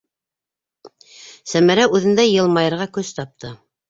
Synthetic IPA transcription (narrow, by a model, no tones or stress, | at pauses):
sæmæɾæʉðɘ̆nd̪æjɤ̆lˠmɑjɤ̆ɾʁɑkɵst̪ɑp̚t̪ʰɤ